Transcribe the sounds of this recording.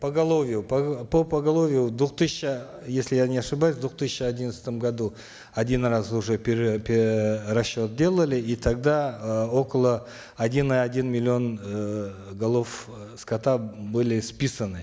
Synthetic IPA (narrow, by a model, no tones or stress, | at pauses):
pəɡalˠo̞vʲɪjuppopɐɡalˠo̞vʲɪjʊd̪wut̪ɨsɪ̥ʃə | je̞sʲlʲɪjanʲeaʂɨbajəsd̪uqt̪ɨsʲɪ̥ʃəadʲinət̪sə̥t̪əmɡad̪u | adʲinrasʊʐepʲpʲrɐsːo̞t̪̚dʲe̞lˠəlʲɪit̪ʰaɡ̚d̪ao̞kəlˠəː | dʲiniadʲinmʲɪlʲːio̞n | ɡalˠof | skat̪abɨlʲɪspʲisənɨ